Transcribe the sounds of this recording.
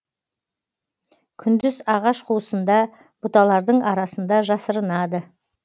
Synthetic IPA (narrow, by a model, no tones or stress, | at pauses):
kʲʰʏnd̪ɪzɑʁɑʃqʰuwəsənd̪ɑ | b̥ʊt̪ɑlˠɑɾd̪əɴɑɾɑsənd̪ɑʒɑsəɾənɑd̪ə